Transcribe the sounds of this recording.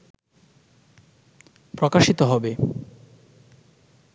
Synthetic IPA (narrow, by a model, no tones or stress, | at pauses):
pɾokaʃit̪oɦɔbe